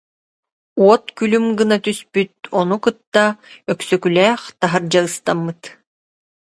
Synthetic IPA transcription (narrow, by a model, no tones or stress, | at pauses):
uɔt̪kylymɡɯnat̪yspyt̪̚ɔnukɯt̪ːaœksœkylɛːχt̪aɦaɾd͡ʑaɯst̪amːɯt̪